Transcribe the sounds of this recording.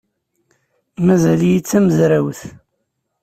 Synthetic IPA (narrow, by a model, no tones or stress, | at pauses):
mæzæljit͡sːæməzɾawθ